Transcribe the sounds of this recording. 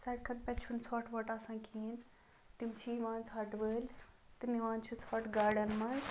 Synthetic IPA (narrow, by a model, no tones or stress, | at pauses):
sɐʈkʰɐt̪pɛ̃t͡ʃʰunsɔːʈʰʋɐʈɐsãːkʰiːn | t̪imt͡ʃʰiʋaːnsaːʈʋəːl | t̪iniʋãːnt͡ʃʰusɔːʈɡaːɾɖɐnmɐn